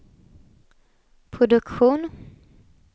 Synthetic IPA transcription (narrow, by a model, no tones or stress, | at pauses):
pʰɾʊd̪ɵkɧuːn